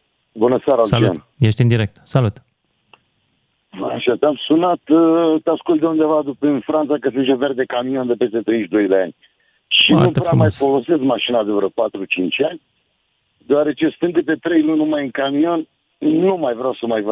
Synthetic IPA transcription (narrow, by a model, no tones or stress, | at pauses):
bunəseaɾasalua̰n | jeʃt̪iɨnd̪iɾe̞k̚t̪salut̪ | a̰ʃat̪amsunat̪t̪easkult̪d̪eund̪e̞vad̪upɨnfɾant̪sakəsɨnt̪t͡ʃove̞rd̪e̞kamio̞nd̪epe̞st̪e̞t̪ɾe̞jʃd̪o̞jd̪ea̰nʲ | ʃḭutpɾamajfo̞lo̞se̞skmaʃinad̪evɾəpat̪ɾut͡ʃint͡ʃanʲ | d̪eoaɾe̞t͡ʃe̞st̪ɨnd̪ep̬e̞t̪ɾe̞jlunumajɨŋkamio̞n | nːumajvɾawsəmajvə